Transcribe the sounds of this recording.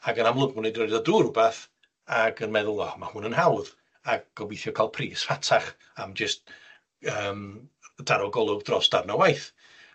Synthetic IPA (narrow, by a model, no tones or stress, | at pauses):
aɡənamlˠʊɡʊnedɔdaduːrʊbaθ | aɡənmɛðʊlˠɔmahʊːnənhawð | aɡ̚ɡ̥ɔwɪjθjɔkʰalˠpʰriːsfatʰaχ | amd͡ʒɪst̚ | əːmd̥aɾɔɡɔlˠʊvd̥rɔsd̥arnawajθ